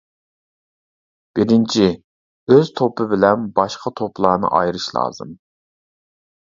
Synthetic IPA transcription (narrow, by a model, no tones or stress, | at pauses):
b̥ɪɾɪnt͡ʃʰi | øz̥t̪ʰopʰɨbɪlɛnbɑʃqʰɑt̪ʰoplˠɑnɨ̰ʔɑ̰jɾɨʃlˠɑ̰ːzɨ̰m